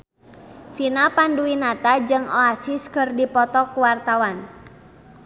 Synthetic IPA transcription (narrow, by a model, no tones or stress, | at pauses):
finapanduinat̪ad͡ʒɨŋoasiskərdipɔt̪ɔkuwart̪awan